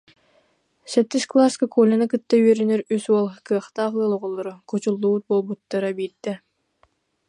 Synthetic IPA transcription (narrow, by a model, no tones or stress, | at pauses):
sɛt̪ːiʃklˠaskakulʲanɯkɯt̪ːaɥɛɾynyɾysuɔlˠkɯɐχt̪aːχlˠɯːlˠɔʁɔlˠːɔɾukut͡ɕulˠːut̪̚boːlˠbut̪ːaɾabiːd̪ɛ